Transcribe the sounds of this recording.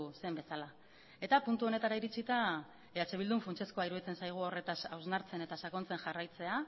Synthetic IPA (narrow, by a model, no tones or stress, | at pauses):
se̞mbe̞sala | e̞t̪apunt̪uo̞ne̞t̪aɾaiɾit͡sit̪a | eɾat͡ʃe̞βild̪uɱfunt͡ʃe̞sko̞aiɾuðit͡se̞nsajɣ̞uore̞t̪asawznaɾt͡se̞ne̞t̪asako̞nt͡se̞ŋʝarajt͡se̞a